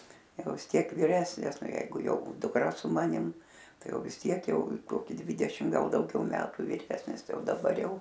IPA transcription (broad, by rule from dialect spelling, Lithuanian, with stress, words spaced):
ˈjɛʊ ʋʲɪs ˈtʲiɛk ʋʲɪˈrʲæːsʲnʲɪs ˈnɑːˈjɛɪɡʊ ˈjɛʊ dʊkˈrɐ sʊ ˈmɑːnʲɪm ˈtɐɪ ˈjɛʊ ʋʲɪs ˈtʲiɛk ˈjɛʊ ˈkoːkʲɪ ˈdʲʋʲiːdʲɛʃʲɪm ˈɡɐlˠ dɐʊˈɡʲɛʊ ˈmʲæːtʊ ʋʲɪˈrʲæːsʲnʲɪs ˈtɐɪ ˈjɛʊ dɐˈbɐr ˈjɛʊ